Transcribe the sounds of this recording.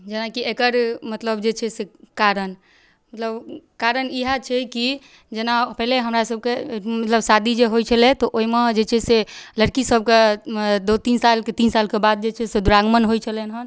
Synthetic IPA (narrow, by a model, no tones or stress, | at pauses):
d͡ʒenakiekəɾmət̪ləbd͡ʒet͡ʃʰɛsekaɾən | mət̪ləbkaɾəniɦat͡ʃʰɛki | d͡ʒenapɛɦleɦəmɾasəb̚kemət̪ləbsad̪ʱid͡ʒeɦojt͡ʃʰəlɛt̪ɔʔoimed͡ʒet͡ʃʰɛseləɾkisəb̚ked̪ot̪insalket̪insalkebad̪̚d͡ʒet͡ʃʰɛsed̪uɾaɡmənɦojt͡ʃʰəlɛnɦən